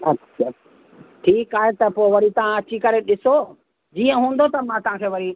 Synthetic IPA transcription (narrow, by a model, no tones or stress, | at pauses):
ɐtːʃʰa | ʈʰiːkaːɦet̪ɐpoːɪʋɐɾit̪ɐʋ̤ãɐt͡ɕikɐɾeɗɪso | d͡ʑiːə̃ɦũːnd̪ot̪ɐmãt̪ɐɦãkʰeːʋɐɾi